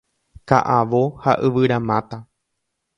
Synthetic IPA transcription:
ka̰ʔaʋoha̰ʔɨʋɨɾamãt̪a

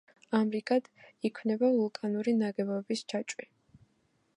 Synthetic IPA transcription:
amɾikʼad̪̥ikʰwnɛbavulˠkʼanuɾinaɡɛbɔbist͡ʃʰat͡ʃʼwi

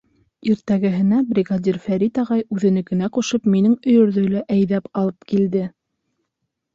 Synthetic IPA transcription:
iɾt̪æɡɘ̆ɦɘ̆næbɾʲiɡad̪ʲirfæɾit̪ɑʁɑjʉðɘ̆nɘ̆kɘ̆næquʃɤpminɘŋɵ̆jɵ̆ɾðɵ̆jlæʔæjðæpɑlˠɤp̚kild̪ɘ

